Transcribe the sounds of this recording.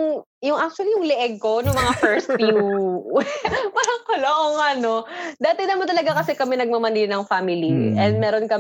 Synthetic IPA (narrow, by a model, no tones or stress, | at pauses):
ŋ | jʊŋʔak̚t͡ʃʊɐlijʊŋlɛʔɛɡ̚ko̞nʊŋmɐŋafɛɹst̪fjuwɛpaːɾɐŋkoloʔoŋɐno̞d̪aːt̪ɪnɐmɐt̪ɐlɐɡakɐsɛkɐmɛnɐɡ̚mɐmɐninɐŋfamɪliʔɛnd̪̚mɛːɾonkɐ